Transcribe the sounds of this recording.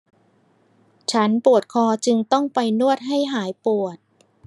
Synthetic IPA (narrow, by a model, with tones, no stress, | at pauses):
t͡ɕʰa˦˥npu˨˩ət̪̚kʰɔː˧t͡ɕɯ˧ŋt̪ɔ˥˩ŋpa˧jnu˥˩ət̪̚ɦa˥˩jɦaː˩˦jpu˨˩ət̪̚